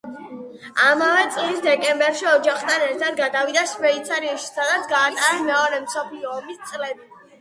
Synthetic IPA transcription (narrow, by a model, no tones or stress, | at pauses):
amavɛt̪sʼlisd̪ɛkʼɛmbɛɾʃiɔd͡ʒaχt̪ʰanɛɾt̪ʰad̪̚ɡad̪avid̪aʃpʼɾɛit̪sʰaɾiaʃi̥sad̪at̪sʰɡaːt̪ʼaɾɛmɛɔɾɛmsɔpʰliɔːmist̪sʼlɛbi